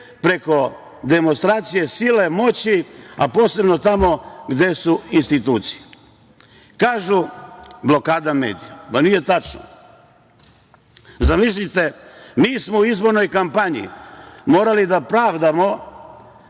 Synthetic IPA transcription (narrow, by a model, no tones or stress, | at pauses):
pɾe̞ko̞ | d̪e̞monst̪ɾaːt̪sije̞sile̞mo̞t͡ɕiapo̞ːse̞bno̞t̪amo̞ɡd̪e̞suinst̪it̪uːt̪si̥je | kaːʒublo̞kaːd̪amḛːd̪ijapanije̞t̪at͡ʃno̰ | zamis̬lit̪e̞miːsmouizbo̞ɾno̞jkampaɲḭmo̞ːɾalid̪apɾaːʋd̪amo̞